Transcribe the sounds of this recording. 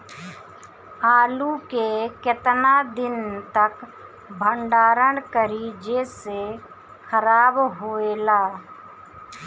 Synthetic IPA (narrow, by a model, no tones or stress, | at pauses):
aːlukeket̪nad̪ɪnt̪ək | bʱəɳɖaːɾənkəɾid͡ʒese | kʰəɾaːbɦoːelaː